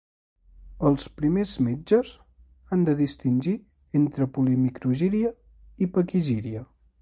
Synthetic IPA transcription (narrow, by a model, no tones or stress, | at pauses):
əlˠspɾimezmed͡ʒəz | and̪əðist̪inʲʒi | ent̪ɾəpulimikɾuʒiɾiə | ipəkiʒiɾiə